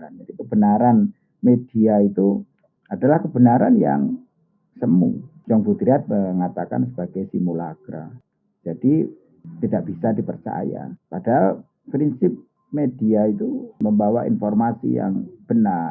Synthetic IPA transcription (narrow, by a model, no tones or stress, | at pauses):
and͡ʒadikəbənaɾan | mediait̪u | adalahkəbənaɾanja̰ŋ | səmṵd͡ʒɔŋɡut̪ɾiat̪̚məŋat̪aka̰nsəbaɡajsimulaɡɾa̰ | d͡ʒadi | t̪idaʔb̥isadipərt͡ʃa̰ja̰padal | pɾinsɪp̚ | mediait̪uməmbawaḭnfɔrmasḭja̰ŋb̥əna